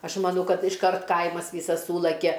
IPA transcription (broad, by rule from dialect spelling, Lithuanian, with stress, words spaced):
ˈɐʃ mɐˈnɐʊ ˈkɐt ɪʃˈkɐrt ˈkɐɪmɐs ˈʋʲiːsɐs ˈsuːlˠɐkʲɛ